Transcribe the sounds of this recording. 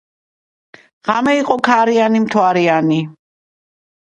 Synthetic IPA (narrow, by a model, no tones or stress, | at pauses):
ʁ̥amɛiqʼɔkʰaɾianimt̪ʰwaɾiani